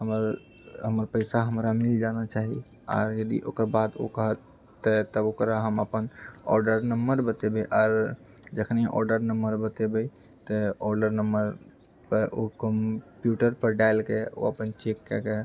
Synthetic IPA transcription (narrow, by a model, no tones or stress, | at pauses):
ɦəməɾ | ɦəməɾpəɪsaɦəmɾamild͡ʒanat͡ʃaɦi | ɔ̰ːɾjəd̪ḭʔo̰kəɾbad̪o̰kəɦət̪ː | ət̪əokɾaɦəməpənɔ̰ɾɖəɾnəmbəɾbət̪ebeʔaːɾ | d͡ʒəkʰniʔɔ̰ɾɖəɾnəmbəɾbət̪ebɛ | t̪əɔɾɖəɾnəmbəɾ | pəʔokəmpjuʈəɾpəɾɖaɪlkeo̰əpənt͡ʃekːɛke